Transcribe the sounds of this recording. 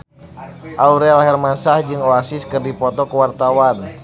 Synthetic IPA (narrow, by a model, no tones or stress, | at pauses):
ʔauɾɛlaɦɛrmasahd͡ʒɨŋɔasɪskɨrdipɔt̪ɔkəwart̪awan